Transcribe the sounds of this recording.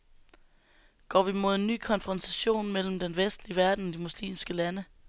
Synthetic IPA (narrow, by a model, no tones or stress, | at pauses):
ɡ̥ɒ̰ːʋimo̝ð̞̰ˠenːy̰ːkʰɒ̽nfʁɒ̽nt͡sʰæɕo̝̰ːnmel̰m̩d̥enʋesd̥liəʋæɐd̥n̩d̥imuslḭːmsɡ̥əlænə